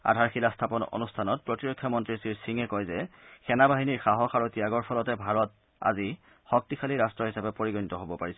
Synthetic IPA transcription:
a̰dʱaɹxilastʰapɔno̰nustʰanɔt̚pɹɔtiɹɔkʰːjɔmɔntɹisiɹsiŋɛkɔjzɛxɛnabaɦiniɹxaɦɔxaɹutiaɡɔɹpʰɔlɔtɛbʱaɹɔt̚ | a̰zi | xɔk̚tixʰaliɹastɹɔɦisapɛpoɹiɡɔnitɔɦobɔpaɹisɛ

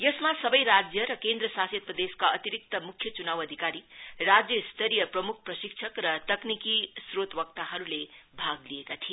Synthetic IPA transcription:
jʌsmasʌbʌjɾad͡zjʌɾʌkend̪ɾʌsasʌd̪̚prʌd̪eskaʌt̪iɾik̚t̪ʌmukʰjʌt͡sunawʌd̪ʱikaɾirad͡zjʌst̪ʌɾijʌprʌmuk̚ʰprʌsiksʰʌkrʌt̪ʌknikisrot̪wʌk̚t̪aɦʌɾulebʱaɡliekat̪ʰie

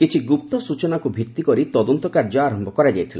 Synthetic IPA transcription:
kit͡ʃʰiɡup̚t̪ɔsut͡ʃɔnakubʱit̪ːikɔɾit̪ɔd̪ɔnt̪ɔkaɾd͡ʒɔːɾɔmbɔkɔɾad͡ʒajt̪ʰila

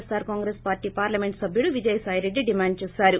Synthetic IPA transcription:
saːɾkaːŋɡɾeːspaːɾʈiːpaːɾlɐme̞ɳʈsɐbʱjuluʋid͡ʒɐjsaːjɾe̞ɖːiɖimaːɳɖ̚t͡ʃeːsaːɾu

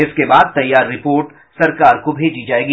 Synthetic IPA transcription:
ɪskebaːd̪̚t̪ɐjːaːɾːɪpoːɾʈ | sɐɾkaːɾkobʱeːd͡ʒid͡ʒaːeːɡi

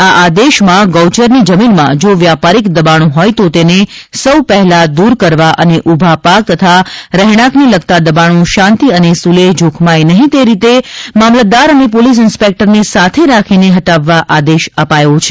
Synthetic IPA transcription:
aʔad̪eʃmãɡɔwt͡ʃəɾnid͡ʒəminmã̰d͡ʒoʋjapaɾikd̪əbaɽ̃ũɦɔjt̪ot̪enesəwpəɦɛlad̪uɾkəɾʋaʔəneʔubʱapak̚t̪ət̪ʰaɾəɦɽ̃ãkniləɡ̚t̪ad̪əbaɽ̃õʃãnt̪iənesuleɦd͡ʒokʰmajnəɦĩt̪eɾit̪emamləd̪aɾənepolis̬ɪnspek̚ʈəɾnisat̪ʰeɾakʰineɦəʈaʋːaʔad̪eʃəpajot͡ʃʰe̥

